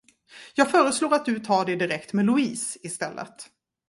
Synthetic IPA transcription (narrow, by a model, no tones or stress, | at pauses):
jɑːɡfœːɾəsloːɾat̪̚d̪ɵt̪ʰɑːɖɛd̪ɪɾɛkt̪meːlʊiːsɪst̪ɛlːʔə̰t̪